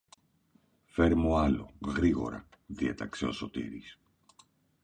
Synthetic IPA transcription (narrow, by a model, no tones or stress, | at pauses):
fe̞ɾmuɐlo̞̰ɣɾiɣo̞̰ɾɐ̰ðiet̪ɐkse̞o̞so̞t̪ḭɾis